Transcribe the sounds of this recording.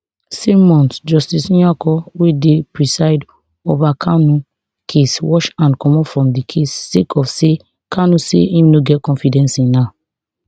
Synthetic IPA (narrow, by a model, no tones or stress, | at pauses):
semɔ̃ntd͡ʒɔstisĩakɔwedepɹisaɪd | ovakʰanũ | kʰeswɔʃãnkɔ̃mɔfɹɔ̃mdikʰestekʰɔfse | kʰanusḛĩmnoɡɛt̚kɔ̃nfidɛ̃nsĩna